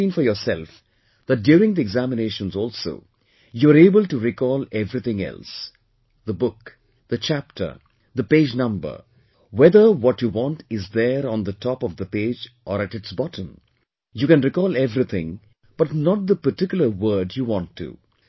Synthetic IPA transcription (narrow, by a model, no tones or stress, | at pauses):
ĩnfɔjɔːsɛlf | ð̥æt̚djuːɾɪ̃ŋd̪iɛɡzæmɪneʃə̃nzɔːlso̰ː | juəɾeːbəlʈuɾikɔːlɛvɾit̪ɪ̃ŋɛ̰ls | d̪əbʊk | d̪̥ət͡ʃæp̚ʈʰə̰˞ | d̪əpeːd͡ʒnʌ̃mbə̰˞ | wɛðə˞wɔtjuwɔ̃nʈɪzd̪əɾ̃nd̪ətʰɔpɔvd̪əpeːd͡ʒʔɔɾæʈɨʈsbɑtʰə̃m | juːkɛ̃nɾikɔːlɛvɾit̪ʰɪ̃ŋ | b̥ʌʈnəʈ̚d̪əpəʈɪkjʊl̩əwəːɖjuwɔ̃ntʰːṵ